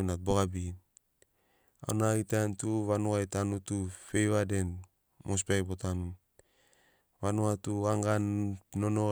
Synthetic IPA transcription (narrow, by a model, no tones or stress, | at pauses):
nat̚boɡabi | a̰naitantuβanuajtanutufejβaden | mʔos̬pajbotanu | βanuatuaŋɡanːono